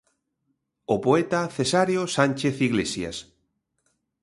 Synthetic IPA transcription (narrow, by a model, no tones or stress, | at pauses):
opoet̪aθesaɾjosanʲt͡ʃeθiɣlesja̰s